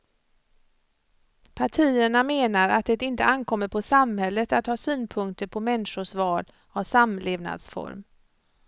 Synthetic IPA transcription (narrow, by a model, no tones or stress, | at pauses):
pʰaʈʰiːəɳameːnaɾa̰t̪̚d̪ɛt̪ɪnt̪əankʰɔmːəɾpʰɔsamhɛlːət̪at̪hɑːsyːnpʰɵŋk̚t̪əɾpʰɔmɛnʂʊʂvɑːl | ɔvsamleːvna̰d̪sfɔ̰ɾm